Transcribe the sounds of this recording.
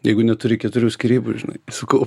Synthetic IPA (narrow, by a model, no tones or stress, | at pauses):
jɛɪɡʊnʲɛt̪ʊɾʲɪkʲɛt̪ʊɾʲuːsʲkʲiɾʲiːbʊʒʲɪnɐ̰ɪsɐkɐʊ